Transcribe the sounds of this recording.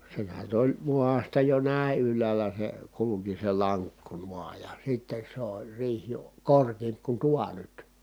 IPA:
sehæn nyt olʲ muɑstɑ jo næˑi̯ ylˑæːlæ se kuluki se lɑŋkːu nuɑː jɑ sitːes sĕ olʲ riːh jo korkiːmp ku tuɑ nyt

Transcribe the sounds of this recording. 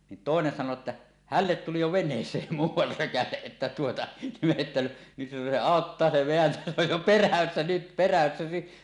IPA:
nin toˑenen sɑno etːæ hælːet tuli jo ʋenˑeːsˑeːm muːwˑɑr røkæleʔ ʔetːæ tuotɑ me etːæ nyt se ɑˑotːɑː se ʋeæntæ se oj jo peræsːæ nyt peræsːæ ni

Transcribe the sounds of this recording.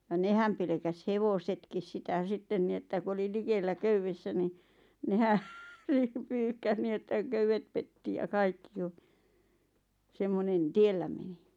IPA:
jɑ nehæm pelĕkæs heʋosetkis sitæ sitːen ni etːæ ku oli likelːæ køyʋːesːæ ni nehæ n̥i̥ pyːhkæs niː etːæ køywet petːi jɑ kɑikːi j̆ŏ semːonen tielːæ meni

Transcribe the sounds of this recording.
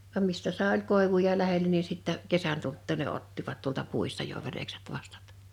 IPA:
ʋɑm mistæ sɑˑe olʲ koˑeʋujɑ læhelæ ni sitːæ kesæn tultːuˑ ne otːiʋɑt tuoltɑ puistɑ jo ʋerekset ʋɑstɑ̥t

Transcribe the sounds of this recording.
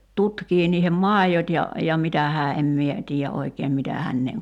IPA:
tutkiː niːhem mɑˑijot jɑ jɑ mitæ hæː em mie tiːjæ ʔoikeːm mitæ hænːeːŋ

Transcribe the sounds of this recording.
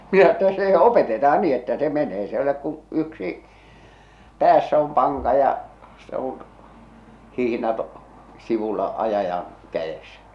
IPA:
minæ etːæ se opetetɑɑn ni etːæ se meneː s e olek kũː yksi pæːsːæ om pɑŋkɑ jɑ se on hihĭnɑt siʋulːɑ ɑjɑjɑn kæj̆esæ̥

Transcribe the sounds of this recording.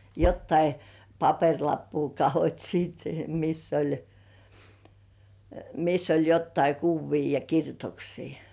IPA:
jotːɑi pɑperʲlɑpːuː kɑhotʲ siːt misː olʲ misː olʲ jotːɑi kuʋːiː jɑ kirjutoksiː

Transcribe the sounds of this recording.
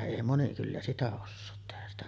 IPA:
eˑi moni kylːæ sitæ osːoːt tehæs sitæ

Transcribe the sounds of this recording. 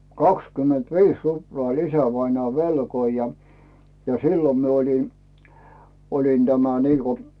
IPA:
kɑkskymːentʋiːs ruploɑˑ olʲ isæʋɑinŏɑˑ ʋelkoi jɑ jɑ silːom mi olʲi olin tæmæ niːko

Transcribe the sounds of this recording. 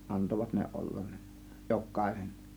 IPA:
ɑntoʋɑt ne ollɑn ne jokˑɑˑe̝sen

